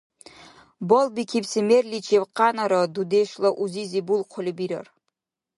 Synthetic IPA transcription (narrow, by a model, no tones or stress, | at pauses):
bolbikʰipsimerlʲit͡ʃʰewqɑnaɾad̪ud̪eʂlˠaʔuzizibulˠqʰʊlʲibiɾa̰r